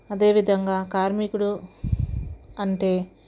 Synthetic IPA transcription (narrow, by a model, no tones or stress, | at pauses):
ɐd̪e̞ːʋid̪ʱɐŋɡaːkaːɾmikuɽu | ɐɳʈe̞ː